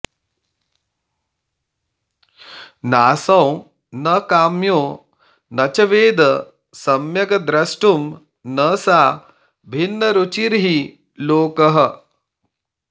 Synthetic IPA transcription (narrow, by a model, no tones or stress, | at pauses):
naːsɐ̃w | nɐkaːmjoː | nɐt͡ʃɐʋeːd̪ɐ | sɐmjɐɡɐd̪ɾɐsʈum | nɐsaː | bʱinːɐɾut͡ʃiɾɦi | loːkɐɦɐ̆